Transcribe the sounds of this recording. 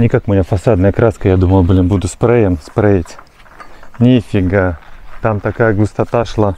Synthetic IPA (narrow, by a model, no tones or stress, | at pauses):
nʲɪkakʊmʲɪnʲafɐsad̪nəjəkɾaskəjad̪uməlˠbɨlʲɪmbud̪ʊspɾajəmspɾaitʲ | nʲifʲɪɡat̪amt̪ɐkajəɡlˠʊst̪ɐt̪aʂlˠa